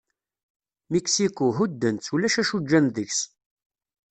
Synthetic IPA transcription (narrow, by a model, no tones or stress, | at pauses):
miksikuɦud̪ːənt͡sːulæʃæʃud͡ʒːænðəçs